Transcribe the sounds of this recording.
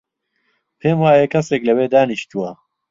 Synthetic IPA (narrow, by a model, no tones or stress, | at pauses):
pʰeːmwaːjekʰɐseːklɐweːd̪aːniʃt̪uwɐ